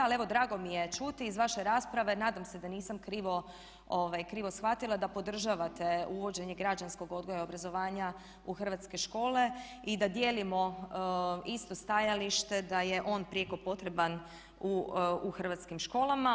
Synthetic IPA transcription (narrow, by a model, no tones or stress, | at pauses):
ale̞ʋo̞d̪ɾaːɡo̞mije̞t͡ʃut̪iːzʋaʃeɾaspɾaʋe̞naːd̪amse̞d̪aniːsamkɾiʋo̞ | oʋajkɾiːʋosxʋat̪ilˠad̪apo̞d̪r̩ʒaʋat̪e̞uʋo̞d͡ʑe̞ɲeɡɾad͡ʑansko̞ɡo̞d̪ɡojao̞bɾazo̞ʋaːɲa | uxr̩ʋat̪ske̞ʃko̞ːle̞ | id̪ad̪jeːlimo̞ | ist̪o̞st̪ajaliʃt̪e̞d̪aje̞ʔo̞ːnpɾijeko̞po̞t̪ɾe̞ban | uuxr̩ʋat̪skimʃko̞ːlˠama